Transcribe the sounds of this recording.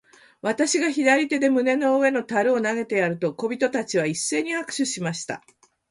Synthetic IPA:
βat̪aɕiɡaçid̪aɾʲit̪e̞d̪e̞mɯ̟ne̞no̞ɯe̞no̞t̪aɾɯ̟o̞naɡe̞t̪e̞jaɾɯ̟t̪o̞ko̞bʲit̪o̞t̪at͡ɕiβ̞aisːe̞ːɲ̟ihakɯ̟̥ɕɨɕimaɕi̥t̪a̰

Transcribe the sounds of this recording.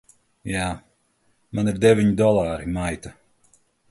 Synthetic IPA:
jaː | maniɾd̪evʲiɲd̪ɔlˠaːɾimajt̪a

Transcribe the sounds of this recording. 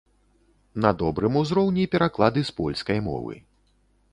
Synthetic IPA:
nɐd̪ɔbɾɨmuzɾɔwnʲipʲɛɾaklˠad̪ɨspɔlʲskɐjmɔ̰vɨ̰

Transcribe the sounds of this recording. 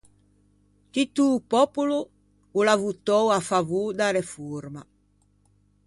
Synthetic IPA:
t̪it̪ːupɔpulu | ulavut̪ɔwafavud̪aɾefuɾma

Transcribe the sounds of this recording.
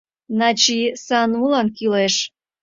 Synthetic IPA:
nɑt͡ɕisɑnulɑnkyleʃ

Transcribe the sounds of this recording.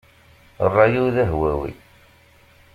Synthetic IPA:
rˤːɑjiwðæɦwæwḭ

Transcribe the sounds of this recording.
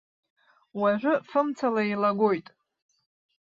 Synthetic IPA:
waʒᶣʷʊfɨmt͡sʰalailaɡo̞jtʼ

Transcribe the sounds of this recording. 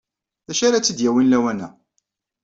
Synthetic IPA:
ðæʃaɾat͡sːəd̪jæwinlæwænæ̰

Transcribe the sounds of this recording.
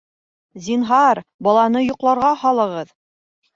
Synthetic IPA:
zʲinɦɑɾbɑlˠɑnɤjŏqlˠɑɾʁɑhɑlˠɤ̆ʁɤð

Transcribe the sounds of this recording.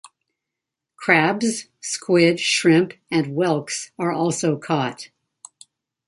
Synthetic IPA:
kʰɹ̥æbz̥ | skʰwɪdʃɹɪ̃mpɨ̃nwɛlˠksə˞ʔɔlˠsoʊkʰɔt̚

